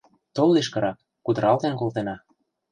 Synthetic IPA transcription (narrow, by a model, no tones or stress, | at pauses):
t̪olːiʃkɤ̆ɾɑk̚ | kud̪ɤ̆ɾɑlt̪enkolt̪enɑ